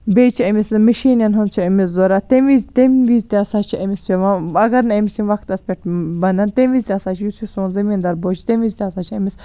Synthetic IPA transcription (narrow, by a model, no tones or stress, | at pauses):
beːt͡ʃʰiɐmismɐʃiːnjɐnɦont͡ʃʰiɐmiszoɾaːt̪emʋizt̪emʋiːzʲt̪eɐsaːt͡ʃʰiɐmispʲeʋãːɐɡɐɾnɐɐmisimʋɐkʰt̪ɐspʲeʈbɐnɐnt̪emʋiːzʲt̪ʲeɐsaːt͡ʃʰijusʰisoːnzɐmiːnd̪ɐɾboːt͡ʃʰi̥t̪emʋiːzʲt̪ʲeɐsaːt͡ʃʰiɐmis